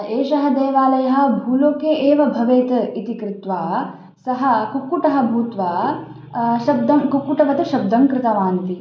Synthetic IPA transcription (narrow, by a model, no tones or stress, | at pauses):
eːʃɐɦɐd̪eːʋaːlɐjɐɦɐ̆bʱuːloːkeːʔeːʋɐbʱɐʋeːt̪ɐit̪ikɾɪt̪ʋaː | sɐɦɐ̆kukːuʈɐɦɐbʱuːt̪ʋaː | ʃɐb̚d̪ɐmkukːuʈɐʋɐt̪ɐʃɐb̚d̪ɐŋkɾɪt̪ɐʋaːnt̪i